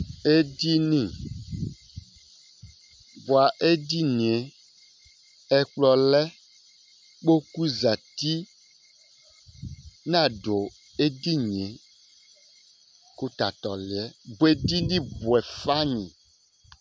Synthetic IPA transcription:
e˦di˦nĩ˦ | bo˨a˨ʔe˦di˦nĩ˨e˨ | ɛ˦k͡plɔ˨lɛ˦ | k͡po˦ku˦za˨t̪i˦ | nã˦˨ɖo˨ | e˦d̪i˦ɲĩ˨e˨ | ku˦t̪a˨t̪ɔ˨li˨ɛ˦bu˨˦e˦d̪i˦nĩ˦bu˨ɛ˨fa˦ɲḭ̃˨

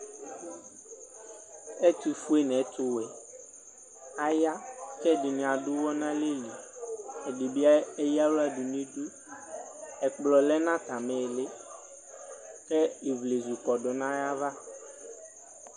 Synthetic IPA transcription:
e˦t̪i˨fu˦e˦nɛ̃˨˦t̪ʊ˦wɛ˨ | a˨ja˦kɛ˦˨ɖi˨ñ˨a˨ɖu˦wɔ˦nã˦le˦li˨ɛ˨ɖi˨bi˦a˦e˦ja˦wu˦a˨ɖu˨nĩ˦ɖu˦ | ɛ˨k͡plɔ˨lɛ˦nã˦t̪a˨mɛ˨le˦ | kɛ˦i˨vle˨zu˨kɔ˨ɖɔ˨nã˦ja˦va˦

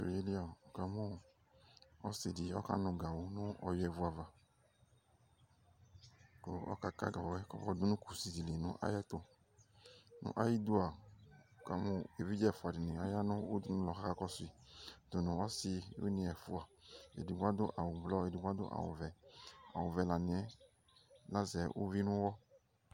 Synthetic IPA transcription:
o̰˨e˦li˦a˨ka˨mʊ̃˦ | ɔ˦si˨di˨ɔ̰˦ka̰˦nʊ̃˨ɡa˨wʊ˨nʊ̃˦ɔ˨jɛ˨vu˨˦a˨va˨ | ko̰˨ɔ̰˦ka˦ka̰˦ɡa˨wɔ˨ɛ˦kɔ˦ɔ˦dʊ˦nʊ̃˦ku˨si˨zi˨le˨nʊ̰̃˦ʔa̰˦jɛ˦t̪o˦ | nʊ̰̃˦ʔa˦ji˦du˦a˨ka˨mũ˨e˨vi˦d͡ʒɛ˦˨fu˨a˨di˨nĩ˨a˦ja˦nʊ̃˦u˦dnʊ̃˦lɔ˨xa˦ka˦kɔ˦sʊ˦i˨dʊ˨nʊ̃˨ɔ˦si˧ṵ˦nĩ˧ɛ˨fu˨a˨ḛ˨di˨ɡʷa˦dʊ˦ʔa˨wʊ˨blɔ˦e˨di˨ɡʷa˦dʊ̰˦ʔa̰˨wʊ̰˨vɛ˨a̰˨wʊ˨vɛ˨la˨nĩ˨ɛ˦ | la˦zɛ˨ʔṵ˦vi˦nʊ̃˦wɔ˦

